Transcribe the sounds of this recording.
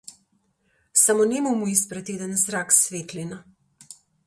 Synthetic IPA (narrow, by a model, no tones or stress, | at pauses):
samonɛmumuispɾɛt̪eːd̪ənzɾaksʋeːt̪lina